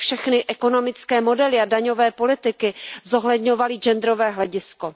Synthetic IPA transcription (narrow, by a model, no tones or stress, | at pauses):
fʃɛxnɪʔɛko̞no̞mɪt͡skɛːmo̞dɛlɪadaɲo̞vɛːpo̞lɪt̪ɪkɪzoɦlɛdɲo̞valɪd͡ʒɛnd̪ɾovɛːɦlɛɟɪsko